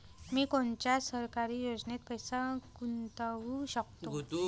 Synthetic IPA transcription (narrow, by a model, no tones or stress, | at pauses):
miːkoɳt͡ɕjasəɾkaɾiːjod͡znet̪̚pəjsakunt̪aʋuɕəkt̪o